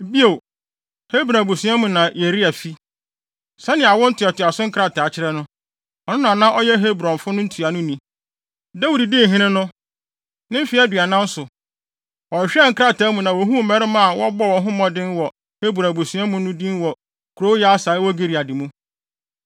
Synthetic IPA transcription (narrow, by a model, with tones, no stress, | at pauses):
bi˦o˨ | he˦bɾã˨bu˨su˨˦ɛ˦mũ˨nã˨je˨ɾi˦a˨fi˦ | sa˦nɪ̃˨a˨wɔ˦n̩˦tʰʊ˨a˨tʰʊ˨a˨sʊ˦ŋ̩˦kʰɾa˨tʰa˨t͡ɕʰɪ˦ɾɛ˦nʊ̃˦ | ɔ˨nʊ̃˦nã˨nã˦ʔɔ˦jɛ˦ɦe˦bɾɔ̃˨nfʊ˦nʊ̃˦n̩˦tʰu˨a˨nʊ̃˦nĩ˨ | da˦wu˨di˨dɪ˦˨ɦĩ˦nɪ̃˦nʊ̃˦ | nɪ̃˦m̩˦fi˨˦ɛ˦dɥa˨nã˦n̩˦sʊ˨ | wɔ̃˨ɕᶣɛ˦˨ŋ̩˦kʰɾa˦tʰa˨˦mũ˨nã˨wɔ˨ɦũ˦˨mɛ˦ɾɪ˦mã˦a˨wɔ˦bɔ˦wɔ̃˨nɦʊ̃˦mɔ̃˦dɪ̃˦nwɔ˨ | he˦bu˨ã˨bu˨sũ˨ɛ˦mũ˨nʊ̃˦dĩ˦n˦wɔ˨ | kʰu˨ɾo˦jɛ˦a˦saː˨˦ɪ˦wɔ˦ɡi˦˨ɾi˨a˨dɪ˨mũ˦